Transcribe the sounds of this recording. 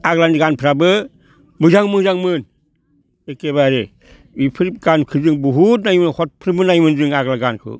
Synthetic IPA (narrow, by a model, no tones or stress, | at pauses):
aɡlaniɡanpʰɯɾabɯ | mɯzaŋmɯzaŋmɯn | ekeβaɾe | ipʰɯɾip̚ɡankʰɯzɯŋbuɦut̚najmɯnhʰɔt̚pʰɯɾibɯnajmɯnd͡ʒɯŋaɡlaɡankʰɯ̰